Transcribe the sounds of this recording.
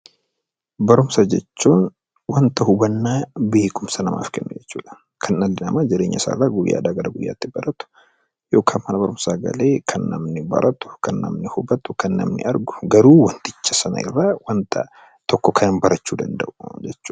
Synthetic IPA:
bɐɾʊmsɐd͡ʒɛt͡ʃːuːn | wɐnt̪ɐhʊbɐnːaːbe̞ːkʼʊmsɐnɐma̰ːfkɛnːʊd͡ʒɛt͡ʃːuːᶑɐ̥ | kʰɐnːɐlːɪnɐmaːd͡ʒɪɾeːɲːɐ̰sa̰ːrːaɡʊjːa̰ːᶑ̪aɡɐɾɐɡʊjːa̰ːt̪ːɪbɐɾɐt̪ʊ̥ | joːkʰaːnmɐnɐbɐɾʊmsaːɡɐ̰le̞ːkʰɐnːɐmnɪbɐ̰ɾʔɐt̪ʊ̥kɐnːɐ̰mnɪhʊbɐt̪ʊkɐnːɐ̰mnɪ̰ɐɾɡʊ̥ɡɐɾuːwɐnt̪ɪt͡ʃːɐsɐnɐ̰ɪ̰rːaːwɐnt̪ʰɐ̰ | t̪ɔkːɔkʰɐnɐnbɐɾɐt͡ʃːuːd̪ɐnd̪ɐʔʊ̥d͡ʒɛt͡ʃːuː

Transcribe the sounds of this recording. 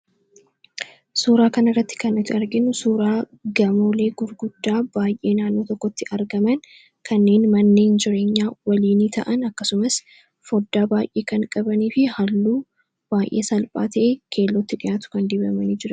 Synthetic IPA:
suːɾaːkɐnɐrːɐt̪ːɪ̥kɐnɐt̪ɪɐɾɡɪnʊsuːɾaː | ɡɐmoːle̞ːɡʊɾɡʊd̪ːaːbaːjʔe̞ːnaːnːoːt̪ɔkːɔt̪ːɪʔɐɾɡɐmɐn | kʰɐnːe̞ːnmɐnːe̞ːnd͡ʒɪɾe̞ːɲːaːwɐliːniːt̪ʰɐʔɐnɐkːɐsʊmɐs | fɔd̪ːaːbaːjʔeːkɐŋkʼɐbɐniːfɪhɐlːuː | b̥aːjʔeːsɐlpʼa̰ːt̪ɐʔekʰe̞ːlːɔt̪ːɪᶑɪjaːt̪ʊ̥kɐnd̪iːbɐmɐniːd͡ʒɪɾɐ

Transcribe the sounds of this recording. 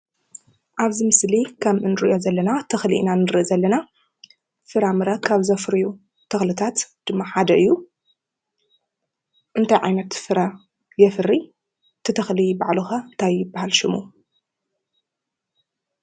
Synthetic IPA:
ʔaβzimɨslikʰɐmʔɨnɨɾɨʔjo̞zɐlːɐnat̪ʰɐxlḭʔnanɨɾɨʔzɐlːɐna | fɨɾamɨɾɐkʰaβzɐfɾɨju | t̪ʰɐxlɨt̪ʰat̪d̪̥ɨmːaħad̪ɐʔɨjːu | ʔɨnt̪ʰajʕa̰jnɐt̪fɨɾa | jɛfɨɾːi | t̪ʰɨt̪ʰɐxlibaʕlɨxɐnt̪ʰajːɪbːahalʃɪmu

